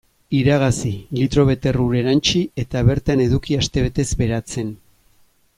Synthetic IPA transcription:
iɾaɣ̞asilit̪ɾo̞β̞e̞t̪e̞ruɾe̞ɾant͡ʃie̞t̪aβe̞ɾt̪ane̞ðukiast̪e̞βe̞t̪e̞zbe̞ɾat͡se̞n

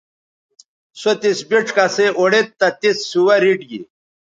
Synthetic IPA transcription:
sot̪isbiʈ͡ʂkaseʔoɽet̪ːɐt̪isːuwɐɾiʈɡḭ

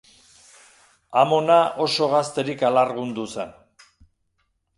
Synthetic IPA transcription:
amo̞nao̞so̞ɣast̪e̞ɾikalaɾɣund̪usen

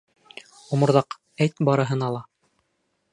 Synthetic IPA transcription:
ŏmɤ̆ɾðɑq | æjt̪bɑɾɤ̆ɦɤ̆nɑlˠɑ

